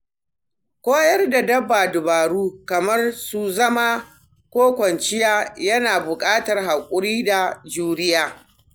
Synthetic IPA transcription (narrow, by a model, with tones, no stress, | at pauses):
kʷoː˦jɐ˦rda˨dɐ˦bːaː˨dʊ˨baː˨ɽuː˦kɐ˨mɐ˦rsu˨zɐ˦ma˦ | kʷoː˦kʷɐ˨nt͡ʃɪ˦jaː˦jɐ˦naː˨bʊ˨kʼaː˦tɐ˨rɦa˨kʷʼʊ˦ɽiː˦da˨d͡ʒuː˦ɾɪ˦jaː˦